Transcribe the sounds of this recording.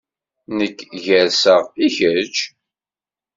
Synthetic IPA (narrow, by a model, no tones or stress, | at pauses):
nəkːʝæɾsəʁiçəɾt͡ʃ